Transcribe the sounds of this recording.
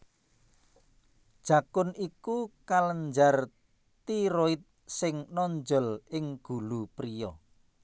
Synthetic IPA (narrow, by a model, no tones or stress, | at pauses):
d̥ʒ̥a̤kʊnikukaləɲd͡ʒar | t̪iɾoit̪̚sɪŋnɔɲd͡ʒɔlɪŋɡ̥ṳlupɾijɔ